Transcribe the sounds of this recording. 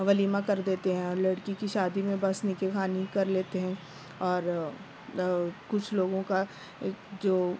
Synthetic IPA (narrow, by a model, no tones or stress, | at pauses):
ʋɐliːmãkɐɾd̪eːt̪eɦɛ̃ɔːɾlɐɽkikiʃaːd̪imẽbɐsnikexʰaːnikɐɾleːt̪eɦɛ̃ː | ɔːɾ | kʊt͡ʃʰloːɡõka | eːkd͡ʒoː